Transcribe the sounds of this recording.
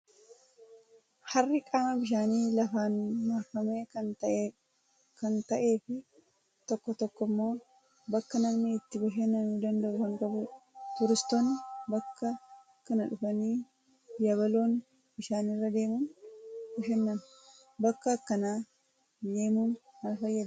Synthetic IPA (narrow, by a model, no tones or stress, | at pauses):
hɐrːɪkʼaːmɐbɪʃ̬aːniːlɐfaːnmaːfɐmeːɐ | kɐnt̪ɐʔe̞ːfɪ | t̪ɔkːɔt̪ɔkːɔmːo̞ː | bɐkːɐnɐmnːɪːt̪ːɪbɐʃɛnːɐnuːd̪ɐnd̪ɐʔʊkɐŋkʼɐbʊt̪ʊɾɪst̪oːnːɪbɐkːɐ | kɐnɐᶑʊfɐniː | jɐβɐlo̞ːn | b̥ɪʃaːnɪrːɐd̪e̞ːmuːnbɐʃɛnːɐn | bɐkːɐkːɐnaː | d̪e̞ːmuːnmɐnfɐjːɐd̪